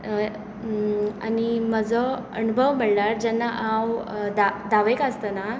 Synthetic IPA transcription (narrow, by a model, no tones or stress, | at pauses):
a̰niməd͡zʱɔ | ə̰nubʱəʋməɽlaɾd͡ʑɛnːaʔawd̪ad̪aʋekast̪əna